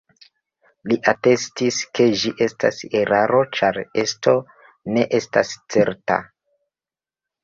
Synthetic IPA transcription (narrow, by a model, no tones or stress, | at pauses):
liʔate̞stiske̞d͡ʒiʔe̞sta̰seɾʔaɾo̞t͡ʃaɾe̞sto̞ | ne̞ʔe̞stast͡se̞ɾta̰